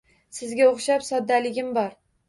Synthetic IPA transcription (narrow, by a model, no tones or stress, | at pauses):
sɪzɡʲaoχʃapsɒd̪ːalɪɡʲɪmbɒɾ